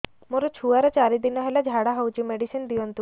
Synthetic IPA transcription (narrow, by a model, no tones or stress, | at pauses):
moɾɔt͡ʃʰuaɾɔt͡ʃaɾid̪inɔɦelad͡ʒʱaɽaɦɔwt͡ʃʰimeɽisind̪iɔnt̪u